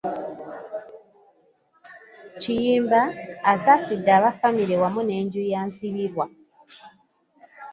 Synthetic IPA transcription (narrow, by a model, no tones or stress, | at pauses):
ciiːmbaːsasidːaːβafamiɾewamune̞ːɲɟujaːnsiβiɾwa